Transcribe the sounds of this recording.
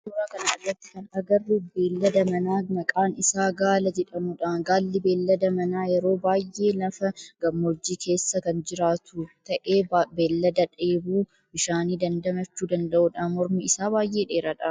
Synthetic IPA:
ʊɾaːkɐnɐʔɐd̪ːɐt̪ːɪ̥kɐnɐɡɐrːube̞ːlːɐd̪ɐmɐnaːmɐkʼaːnɪsaːɡaːlɐd͡ʒɛᶑɐmʊᶑaːnɡaːlːɪbe̞ːlːɐd̪ɐmɐnaːjɛɾo̞ːbaːjːe̞ːlɐfɐɡɐmːoːd͡ʒːiːkʰe̞ːsːɐkɐnd͡ʒɪɾaːt̪ʰut̪ɐʔeːbeːlːɐd̪ɐᶑeːbuː | bɪʃaːniːd̪ɐnd̪ɐmɐt͡ʃːuːd̪ɐnd̪ɐʔuːᶑaːmɔɾmiɪsaːbaːjʔeːᶑe̞ːɾɐᶑɐ

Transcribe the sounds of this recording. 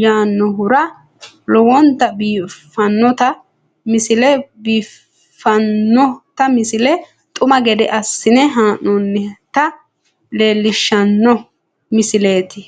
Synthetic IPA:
jaːnːɔɦʊɾɐ | lɔwɔnt̪ɐbiːfɐnːɔt̪ɐ | mɪsɪlɛbiːf | fɐnːɔt̪ɐmɪsɪlɛ | t̪ʼʊmɐɡɛd̪ɛ̰ʔɐsːɪnɛɦaːnɔnːɛt̪ɐ | le̞ːlːɪʃːɐnːɔ | mɪsɪle̞ːt̪ɪ

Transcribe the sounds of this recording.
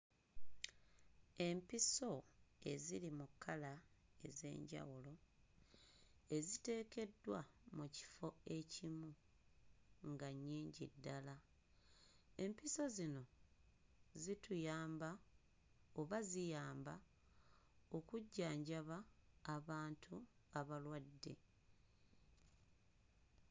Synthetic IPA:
e̞mpiso̞e̞̰zilimukʰːalae̞ze̞̰ːɲɟa̰wulo̞ | e̞zite̞ːke̞dːwamuci̥fo̞e̞cimu | ŋɡaɲːiːɲɟḭdːala | e̞mpiso̞zino̞ | zitujaːmba | o̞βazijaːmba | o̞kuɟːaːɲɟaβaːβaːntʰuaβalwadːe̞̰

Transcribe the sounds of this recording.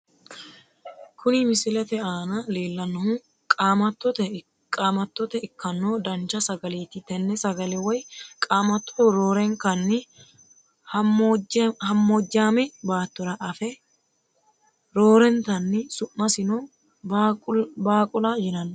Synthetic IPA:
kʰʊnɪmɪsɪlɛt̪ɛaːnɐleːlːɐnːɔhʊ | kʼaːmɐt̪ːɔt̪ɛ | kʼaːmɐt̪ːɔt̪ɛɪkːɐnːoːd̪ɐnt͡ʃːɐsɐɡɐleːt̪ɪt̪ɛnːɛsɐɡɐlɛwɔjkʼaːmɐt̪ːɔ̥ɔɾoːɾɛŋkɐnːɪ | hɐ | hɐmːoːd͡ʒːaːmɛbaːt̪ːɔɾɐʔɐfɛ | ɾoːɾɛnt̪ɐnːɪsʊmːɐsɪno | baːkʼʊlajɪnɐnː

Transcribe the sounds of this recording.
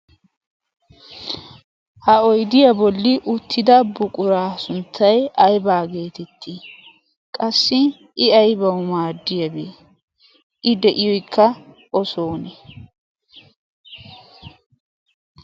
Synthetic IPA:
hɐɔjd̪ɪjɐbɔlːɪʔʊt̪ʰːɪd̪ɐbʊkʼʊɾaːsʊnt̪ːɐjɐjbaːɡe̞ːt̪ɛt̪ʰːi | kʼɐsːɪ | ʔɪɐjbɐwʊmaːd̪ːɪjɐbeː | ʔɪd̪ɛʔɪjɔjkʰːɐ | ʔɔso̞ːnɛ

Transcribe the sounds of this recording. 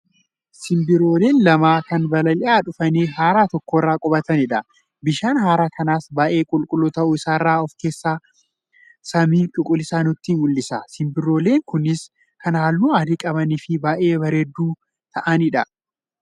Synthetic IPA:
sɪmbɪɾo̞ːle̞ːnlɐmaːkɐnbɐlɐlɪʔaːᶑʊfɐneːɦaːɾaːt̪ɔkːoɪrːaːkʼɔbɐt̪ɐnɪᶑɐ | bɪʃaːnɦaːɾaːkʰɐnaːsbaːʔe̞ːkʼʊlkʼʊlːot̪ɐʔuːɪsaːrːaːɔfke̞ːsːaː | sɐmiːt͡ʃʼʊkʼʊlɪsaːnʊt̪ːiːmʊlːɪsɐsɪmbɪɾo̞ːle̞ːŋkʊnɪs | kʰɐnhaːlːuːaːd̪ikʼɐβɐnɪfɪbaːʔe̞ːbɐɾeːd̪ːuː | t̪ʰɐʔɐnɪᶑɐ

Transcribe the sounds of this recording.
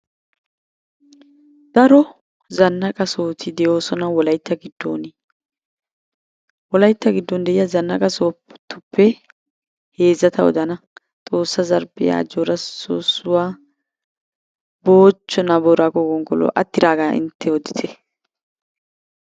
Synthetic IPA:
d̪̥ɐɾɔ | zɐnːɐkʼɐso̞ːt̪ʰɪd̪ɛjoːsɔnɐwɔlɐjt̪ːɐɡɪd̪ːo̰ːnɪ | wɔlɐjt̪ːɐɡɪd̪ːɔnd̪ɛʔɪjɐzɐnːɐkʼɐsoːpt̪ːʊpʰːɛ | he̞ːzːɐt̪ʰɐwɔ̰d̪ɐnɐ | t̪ʼo̞ːsːɐzɐɾbɛja̰ːd͡ʒoɾɐsoːsʊwaː | boːt͡ʃːɔnɐbɔɾaːkɔɡɔŋɡɔlɔ̰ʔɐ̰t̪ːɪɾaːɡaʔɪ̰nt̪ʰːɛwɔd̪ɪt̪ʰɛ

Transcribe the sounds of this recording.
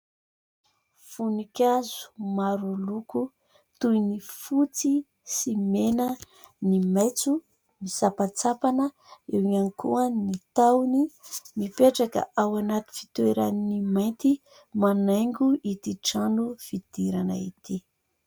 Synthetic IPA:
funikʲazu̥maɾuluku | t̪ujnifut͡si | simenə | nimejt͡su | misapat͡sapanə | ewŋanikuanit̪awnimipeʈ͡ʂakə̰ʔawanat̪i̥fi̥t̪ueɾaninimajnt̪i | manajŋɡuʔit̪iʈ͡ʂanufid̪̥iɾanə̰ḭt̪i

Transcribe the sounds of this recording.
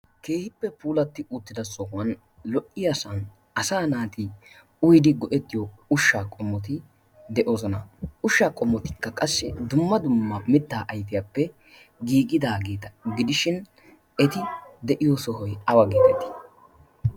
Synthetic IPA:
ke̞ːhɪpːɛpuːlɐt̪ːɪʊt̪ːɪd̪ɐsɔwɐn | lɔʔːɪjɐsɐn | ɐsaːnaːt̪i | ʊjd̪ɪɡɔʔɛt̪ːɪjɔʊʃːaːkʼɔmːɔt̪ɪ | d̪ɛʔo̞ːzɔnɐʔʊʃːaːkʼɔmːɔt̪ɪ̥kːɐkʼɐsːɛ̰d̪ʊmːɐd̪ʊmːɐmɪt̪ːaːʔɐjfɪjapːɛ | ɡiːɡɪd̪aːɡeːt̪ɐɡɪd̪ɪʃɪn | ɛt̪ɪd̪ɛʔɪjɔsɔɦɔjɐwɐɡiːbɛt̪ːɪ̥

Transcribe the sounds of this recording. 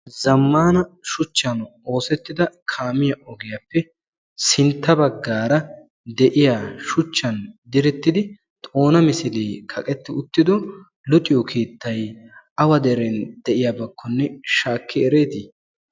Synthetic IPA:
zɐmːaːnɐʃʊt͡ʃːɐno̞ːsɛt̪ːɪd̪ɐkʰaːmɪjɐʔɔɡɛjɐpːɛ | sɪnt̪ːɐbɐɡːaːɾɐ | d̪ɛʔɪjaːʃʊt͡ʃːɐnd̪ɪɾɛt̪ːɪd̪ɪ | t̪ʼo̞ːnɐmɪsɪleːkʰɐkʼɛt̪ːɪʊt̪ːɪd̪ɔ | lʊt̪ʼɪjɔkʰiːt̪ːɐj | ɐwɐd̪ɛɾɛnd̪̥ɛʔɪjabɐkʰːɔnːɛʃaːkːɪɛɾeːt̪ɪ

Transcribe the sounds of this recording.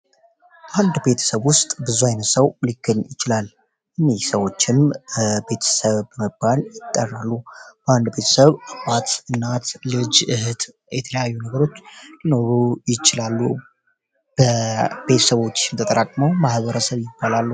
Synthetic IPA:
bəʔand̪be̞t̪ʰə̥səβwʊst̪ʼbɨzuajnəsəwlɨkːɨnjɪt͡ʃɪlal | ʔɨnːihsəwo̞t͡ʃːɪmbe̞t̪ʰə̥səβəməbːaljɪt̪ʼːərːalːub̥əand̪be̞t̪ʰə̥səβabat̪ɨnːat̪lɨd͡ʒɨhɨt̪ | jɛt̪ʰələjajːunəɡəɾo̞t͡ʃːlino̞ɾujɪt͡ʃɪlalːu | b̥əbe̞t̪ʰəsəβo̞t͡ʃːɪmt̪ʰət̪ʼəɾakʼməwmahβəɾəsəβjɪbːalalːu

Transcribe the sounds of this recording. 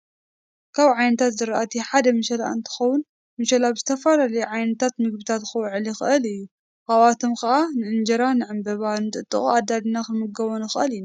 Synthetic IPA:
kʰaβʕajnɐt̪ʰat̪zɨɾɐʔat̪ʰiħad̪ɐmɨʃɐla̰ɨ̰nt̪ʰɨ̥xɐwʊn | mɨʃɐlabzɨt̪ʰɐfalalɐjuʕajnɐt̪ʰat̪mɨɡ̚bɨt̪ʰat̪xɨwʕɨlixɨʔɨlɨjːu | kʼaβat̪ʰomkɐʔanɨʔɨnd͡ʒɐɾanɨʕɨmbɐβanɨt̪ʼɨt̪ʼːɨχʼuad̪ːad̪inakɨlmɨɡɐβɐnɨxɨʔɐlina

